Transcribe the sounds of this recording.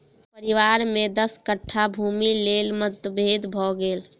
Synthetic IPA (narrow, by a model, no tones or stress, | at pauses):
pəɾiʋaɾmed̪əskəʈʰːabʱumilelmət̪əbʱed̪bʱɔɡeːl